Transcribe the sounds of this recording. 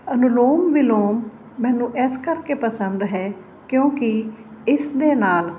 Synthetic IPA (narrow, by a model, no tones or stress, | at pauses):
ənʊloːmʋɪloːmː | ɛ̃ːnũːʔɛskəɾkeːpəsənd̪ɦɛː | kjõːkɪ | ɪsd̪eːnaːl